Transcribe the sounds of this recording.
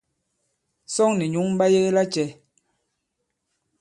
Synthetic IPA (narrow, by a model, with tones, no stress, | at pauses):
sɔ˦ŋnɛ˨ɲu˨˦ŋm̩˦ba˦je˦ɣe˦la˦t͡ʃɛ˨˦